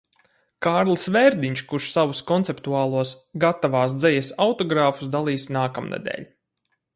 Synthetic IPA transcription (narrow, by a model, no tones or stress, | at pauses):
kaːɾlˠsvɛɾd̪iɲt͡ʃkuʃsavuskɔnt̪ɛpt̪uaːlˠuɔsɡat̪avaːs̬d̪zɛjɛsawt̪ɔɡɾaːfu̥sd̪alˠiːsnaːkamnḛd̪ɛ̰ːʎʲ